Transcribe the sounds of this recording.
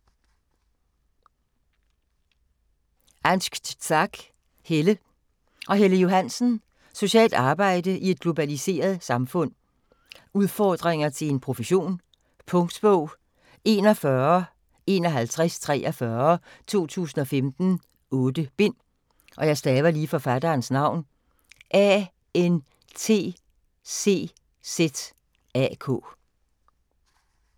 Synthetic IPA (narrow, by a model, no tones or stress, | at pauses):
ænsɡ̥t͡sʰɑɡ̥ | helə | ʔɒ̽ɦeləjo̝ɦænsn̩ | so̝ɕɛ̰ːld̥ɑ̈ːb̥ɑ̈ɪ̰d̥əʔie̝d̥̚ɡ̥lo̝b̥ælise̝̰ːɐð̞̩ˠsɑ̈mfɔ̽n̰ | uðˠfɒːd̥ʁeŋɐt͡sʰe̝le̝npʰʁo̝fəɕo̝̰ːn | pʰɔ̽ŋd̥b̥ɔʊ̰ | e̝ːnɒ̽fɶɐ | e̝nɒ̽ɦælt͡sʰʁast͡sʰʁɛ̰ːɒfɶɐt͡sʰo̝̰ːt͡sʰṵːsn̩ɒ̽femd̥n̩ | ɔ̽ːd̥əb̥e̝n̰ | ʔɒ̽jɑ̈ɪsd̥ɛːʋɐliːfɒ̽fæd̥ɐːnsnɑ̈ʊ̰n | ʔɛ | en | t͡sʰe̝̰ː | se̝̰ː | sed̥ | æ̰kʰɔ̰ː